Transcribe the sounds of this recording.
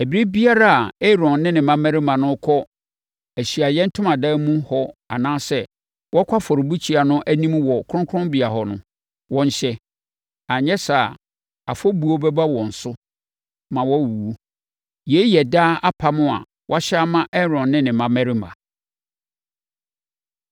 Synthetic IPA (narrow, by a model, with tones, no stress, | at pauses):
æ˨bi˨˦ɾi˦bi˦a˦ɾa˦a˨ɛ˦ɾɔ̃˨nnɪ̃˦nɪ̃˨mã˦mɛ̃˦ɾɪ˦mã˨nʊ̃˦kʰɔ˦ | æ˨ɕi˨a˨jɛ̃˦n̩˦tʰʊ̃˦mã˨daː˦mũ˦hɔ˦a̰˨nãː˦sɛ˦ | wɔ˦kʷʰa˦fɔ˨ɾɪ˨bu˦t͡ɕʰi˨˦a˨nʊ̃˦ʔæ˦nĩ˦mwɔ˨kʰʊ˦ʊ̃˦ŋkʰɾʊ̃˦bi˨a˨ɦɔ˨nʊ̃˦ | wɔ̃˦ɲ˦ɕɛ˦ | a˨ɲɛ̃˦sa˨ | a̰˨fɔ˦bu˨o˦bɛ˦ba˦wɔ̃˨n̩˨sʊ˦ | mã˨wɔ˦˨wu˨o˦ | je˨˦jɛ˨daː˦a˦pʰa˦mʊ̃˦a̰˨ | wɔ̰˦a˦ɕa˦mã˦ʔɛ˦ɾɔ̃˨nːɪ̃˦nɪ̃˨mã˦mɛ̃˦ɾɪ˦mã̰˨